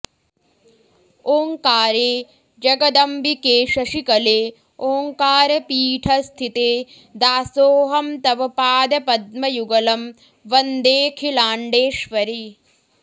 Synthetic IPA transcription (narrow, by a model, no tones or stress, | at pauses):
oːŋkaːɾeː | d͡ʒɐɡɐd̪ɐmbʱikeːʃɐʃikɐleː | oːŋkaːɾɐpiːʈʰɐst̪ʰit̪eː | d̪aːsoːɦɐmt̪ɐʋɐpaːd̪ɐpɐd̪̚mɐjuɡɐlɐm | ʋɐnd̪eːkʰilaːɳɖeːʃʋɐɾi